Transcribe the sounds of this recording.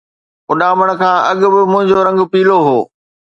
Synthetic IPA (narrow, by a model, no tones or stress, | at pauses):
ʊɗaːməɽ̃kʰãːʔɐɠʊbɪmʊ̃ɦɪ̃ɲd͡ʑoɾɐ̃ŋɡpiːloɦoː